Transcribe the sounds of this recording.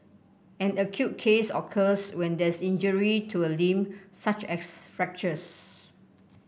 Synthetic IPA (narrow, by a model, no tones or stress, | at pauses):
ɛ̃nəkʰjut̚kʰesɔkʰəswɛ̃ndɛsĩnd͡ʒəɹitʰuəlĩmsat͡ʃɛsfɹɛk̚t͡ʃəs